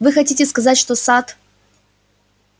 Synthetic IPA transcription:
vɨxɐtʲitʲɪskɐzatʲʂt̪osat̪

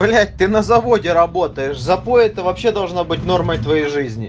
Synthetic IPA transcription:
lʲæt̚ʲt̪ɨnɐzɐvo̞dʲɪɾɐbo̞t̪əjɪʂzɐpoɛt̪əvɐpɕːe̞d̪ɐlˠʐnabɨt̚ʲno̞rməjt̪vɐjejʐɨzʲnʲɪ̰

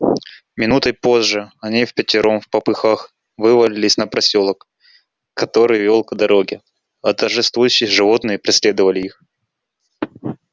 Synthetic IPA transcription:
mʲɪnut̪əpo̞zʐɨɐnʲifpʲɪtʲɪɾʔomfpɐpɨxax | vɨvəlʲɪlʲɪsʲnəpɾɐsʲolˠək | kɐt̪o̞ɾɨjvʲolˠkəd̪ɐɾo̞ɡʲɪ | ɐt̪ərʐɨst̪vujʉɕːɪjʐɨvo̞t̪nɨjəpɾʲɪsʲlʲe̞d̪əvəlʲɪix

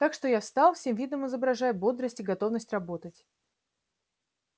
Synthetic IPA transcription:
t̪akʂt̪o̞jafst̪ɑlˠfsʲe̞mvʲid̪nəmɨzəbɾɐʐajʊbo̞d̪ɾəsʲtʲɪɡɐt̪o̞vnəsʲtʲrɐbo̞t̪ətʲ

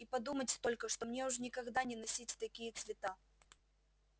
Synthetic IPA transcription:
ipɐd̪umətʲst̪olʲkəʂt̪omnʲeʊʐnʲɪkɐɡd̪anʲɪnɐsʲitʲt̪ɐkʲijət̪svʲɪt̪a

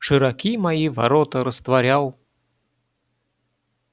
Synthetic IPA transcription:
ʂɨɾɐkʲimɐjivɐ̰ɾot̪əɾəst̪vɐɾʲalˠ

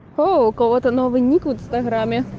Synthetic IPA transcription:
howkɔwɔt̪ɐnɔvɨnʲikunst̪ɐɣɾamʲɛ

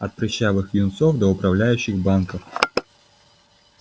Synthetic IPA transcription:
ɐt̪̚pɾʲɪɕːavɨxjʲɪnsofd̪əʊpɾɐvlʲæjʉɕːɪɣbankəf

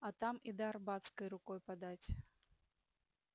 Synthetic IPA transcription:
ɐt̪amid̪ɐːrbat̪skɐjɾʊkɔjpad̪at͡sʲ

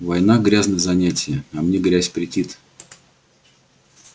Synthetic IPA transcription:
vɐjnaɡɾʲaznəjzɐnʲætʲɪjəɐmnʲeɡɾʲæsʲpɾʲɪtʲit̪

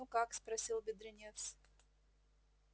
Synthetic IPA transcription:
ukakspɾɐsʲilˠbʲɪd̪ɾɪnʲefsʲ

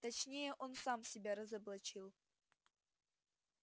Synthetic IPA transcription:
t̪ɐt͡ɕnʲejɛʔo̞nsamsʲɪbʲaɾɐzɐblˠɐt͡ʃilˠ

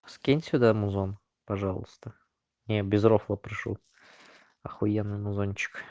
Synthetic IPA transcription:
skʲenʲsʲʊd̪amʊzon | pɐʐɑlˠə̰st̪ə | nʲebʲɪzɾoflˠəpɾɪʂṵ | ɐxʊjenːɨjmʊzonʲt͡ɕɪ̥k

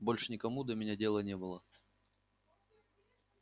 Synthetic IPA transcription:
bolʲʂɨnʲɪkɐmud̪əmʲɪnʲadʲelˠənʲebɨlˠə

